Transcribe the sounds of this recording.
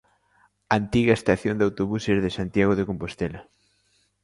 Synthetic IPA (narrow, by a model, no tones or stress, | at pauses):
ant̪iɣɐest̪aθjond̪awt̪oβuseɾðɪsant̪jaɣ̞oðekompost̪elɐ